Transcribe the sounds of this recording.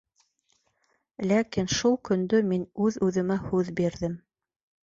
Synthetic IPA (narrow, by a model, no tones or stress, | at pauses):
lækinʃulˠkɵ̆nd̪ɵminʉðʉðɘ̆mæhʉðbiɾðɘm